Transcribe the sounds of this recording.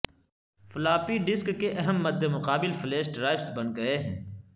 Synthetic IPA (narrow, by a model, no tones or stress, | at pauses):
fʊlaːpiɖɪskːeʔɐɦəmːɐd̪ʱːemʊqaːbɪlfɪleːʃɖɾaːɪbsbɐ̃nɡɐeɦɛ̰̃ː